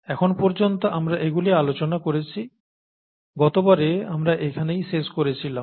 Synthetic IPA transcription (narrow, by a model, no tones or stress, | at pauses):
ɛkʰonpɔɾd͡ʑont̪oʔamɾaʔeɡulialot͡ɕonakoɾet͡ɕʰi | ɡɔt̪obaɾeamɾaʔekʰanejʃeʃkoɾet͡ɕʰilam